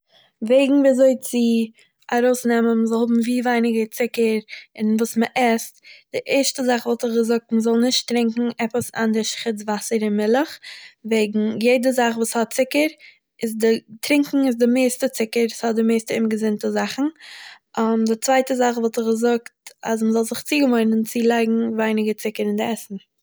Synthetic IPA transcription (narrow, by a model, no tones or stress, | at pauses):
veɪɡŋ̩viːazoɪt͡sɪ | aɾoʊsnɛmənməzɔlˠhʊbm̩viːvaɪnɪɡət͡sɪkəɾɪnvuːsməʔɛstd̥ɪʔɛɾʃtəzaχvɔːlˠtɪχɡəzʊk̚tməzɔlˠnɪʃtɾɪŋkŋ̩ɛpəsa̰ndɪʃχɪt͡svasəɾɪnmɪlˠəχveɪɡŋ̩jeɪdəzaχvuːshɔt̚t͡sɪkəɾ | ɪzdɪtɾɪŋkŋ̩ɪzdɪmeɪstət͡sɪkəɾshɔt̚dɪmeɪstəɪmɡəzɪntəzaχn̩ | ʔamdɪt͡svaɪtəzaχvɔːlˠtɪχɡəzʊktas̬məzɔlˠzɪχt͡siːɡəmɔɪnənt͡sɪlˠaɪɡŋ̩vaɪnɪɡət͡sɪkəɾɪndɪɛsn̩